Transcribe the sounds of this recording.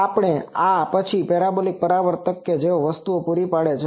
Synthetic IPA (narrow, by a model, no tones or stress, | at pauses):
apɽ̃eapət͡ʃʰipeɾabolik̚pəɾaʋəɾt̪əkːed͡ʒeoʋəst̪uopuɾipaɽet͡ʃʰe